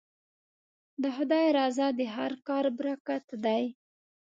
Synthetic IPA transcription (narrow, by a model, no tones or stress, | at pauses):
d̪əɦʊd̪ɑjɾɑzɑd̪əɦaɾkɑɾbɾakat̪d̪aj